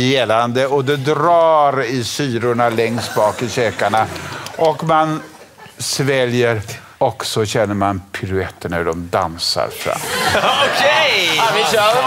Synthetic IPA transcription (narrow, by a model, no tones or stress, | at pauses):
jeːland̪əɔd̪ɛd̪ɾɑːɾɪsyːɾʊɳalɛŋst̪bɑːkɪɕøːkaɳaʔɔkman | svɛljəɾ | ɔksɔɕɛnːəɾmanpʰɪɾʉɛt̪ːəɳahʉɖɔmd̪a̰nsa̰ɾfɾa̰mːkʰeɪ